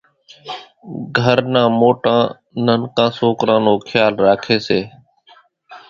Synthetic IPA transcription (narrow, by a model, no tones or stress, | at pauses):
ɡʱəɾnãːmoːʈãː | nənkãːsoːkɾãːnoːkʰjaːlɾaːkʰeːseː